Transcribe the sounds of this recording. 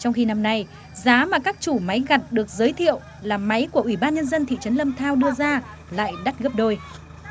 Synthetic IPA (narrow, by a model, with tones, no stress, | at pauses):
t͡ɕɔ˧wŋ͡mxi˧na˧mna˧j | zaː˨˦maː˨˩kaː˦˥k̚t͡ɕu˧˩ma˨˦jɣa˨˩t̚ɗɨ˨˩ək̚zəː˨˦jt̪ʰḭ˧˨əw | laː˨˩ma˨˦jku˧˩əʔwi˧˩ɓaː˧nɲə˧nzə˧nt̪ʰḭ˧˨t͡ɕə˨˦nlə˧mt̪ʰaː˧wɗɨ˧əzaː˧ | la̰ː˧˨jɗa˦˥t̚ɣə˦˥p̚ɗo˧j